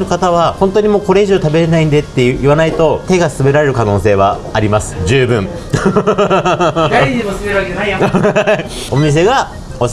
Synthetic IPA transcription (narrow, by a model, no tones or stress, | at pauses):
ɾɯ̟kat̪aβ̞ahõ̞nt̪oɲ̟imo̞ːko̞ɾe̞iʑo̞ːt̪abe̞ɾe̞naĩnd̪e̞t̪ːe̞iβanait̪o̞t̪e̞ɡasɨbe̞ɾaɾe̞ɾɯ̟kano̞ːse̞ːβ̞a̰ːɾʲimasɨ̥d͡ʑɨːbɯ̟̃ɴ | o̞mʲis̬e̞ɡa | os